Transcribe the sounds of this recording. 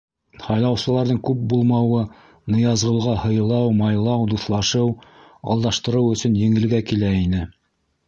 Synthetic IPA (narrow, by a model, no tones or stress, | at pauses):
hɑjlˠɑwsɤ̆lˠɑɾðɤŋkʉp̚bulˠmɑwɤ | nɤ̆jɑzʁɤ̆w̪ˠʁɑhɤ̆jɤ̆lˠɑwmɑjlˠɑwd̪uθlˠɑʃɤw | ɑ̰lˠd̪ɑʃt̪ɤ̆ɾɤwɵ̆sɵnjɘ̆ŋɘ̆lɡækilæinɘ